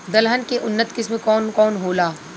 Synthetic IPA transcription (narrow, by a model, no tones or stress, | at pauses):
d̪ɐlɦənkeʔʊnːət̪kɪsmẽkɔːnkɔːnɦoːlaː